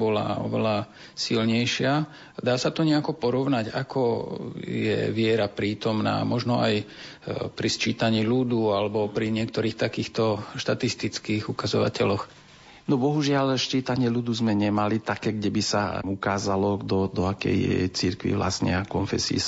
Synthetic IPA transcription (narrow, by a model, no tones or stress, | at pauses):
bɔla̰ɔ̰ʋɛla | silɲɛjʃɪa | d̪aːsat̪ɔɲɛakɔpɔɾɔʊnaɟa̰kʰɔ | jɛ̰ʋɪɛɾapɾiːt̪ɔmna̰ːmɔʒnɔa̰j | pɾist͡ʃiːt̪aɲiːlud̪ualɛbɔpɾiɲɪɛk̚t̪ɔɾiːxt̪akiːxt̪ɔʃt̪at̪ist̪it͡skiːɣukazɔʋa̰cɛlɔx | nɔbɔɦuʒɪalʃt͡ʃiːt̪aɲɪɛlud̪uzmɛɲɛmalit̪akɛːɡɟɛbisa̰ukaːzalɔd̪ɔd̪ɔakɛ̰j̰t͡siɾkʋḭʋla̰sɲɛ̰kɔnfɛsiḭ